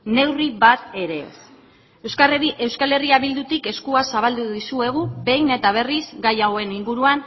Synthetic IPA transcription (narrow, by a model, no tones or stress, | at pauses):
ne̞wriβat̪e̞ɾe̞s | e̞wskale̞riaβild̪ut̪ike̞skuasaβald̪uðisue̞ɣ̞ube̞jne̞t̪aβ̞e̞rizɡajaɣoe̞niŋɡuɾuan